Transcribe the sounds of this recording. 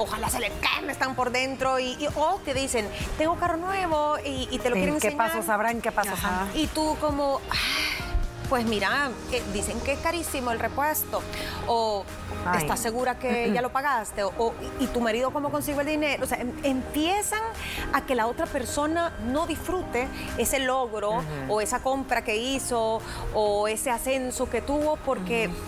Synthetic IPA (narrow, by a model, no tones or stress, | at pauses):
oxalaselekamest̪aŋpo̞ɾðe̞nt̪ɾo̞iot̪eðiseŋt̪eŋɡokaro̞nwe̞βo̞iːt̪e̞lokjeɾeŋeneɲaaɾosaβɾaŋkepaasaait̪uko̞mo̞aj | pwe̞smiɾaed̪ise̞ŋkeeskaɾisimoelre̞pwe̞st̪o̞o | esasːe̞ɣuɾakeʝalo̞paɣast̪eoʔoit̪umaɾiðoko̞mo̞ko̞nsiɣoeld̪ineɾooseempje̞saŋake̞lao̞t̪ɾape̞ɾso̞nano̞ðisfɾut̪e̞ | ese̞lo̞ɣɾo̞ːe̞sako̞mpɾake̞iso̞ː | e̞se̞ase̞nso̞ke̞t̪uβo̞po̞ɾke̞